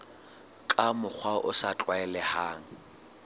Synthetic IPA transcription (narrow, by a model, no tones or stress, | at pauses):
kʼamʊk͡xʰwaʔʊsat͡ɬʼwaɛlɛhaːŋ̩